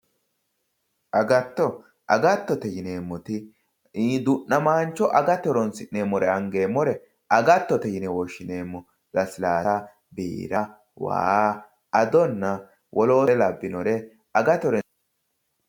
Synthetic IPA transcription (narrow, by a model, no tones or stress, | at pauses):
ʔɐɡɐt̪ːɔ | ʔɐ̰ɡɐt̪ːɔt̪ɛjɪne̞ːmːɔt̪ɪ | d̪ʊʔːɐmaːnt͡ʃːɔʔɐɡɐt̪ɔɾɔnsɪʔneːmɔɾɛɐŋɡe̞ːmːɔɾɛ | ɐɡɐt̪ːɔt̪ɛjɪnɛwɔʃːɪne̞ːmːɔ | lɐsɪlaːɐ | bḭːɾɐ | wa̰ːa | ɐd̪ɔnːɐ | wʔɔlo̞ːlɐbːɪnɔɾɛ | ɐɡɐt̪ɔɾɛ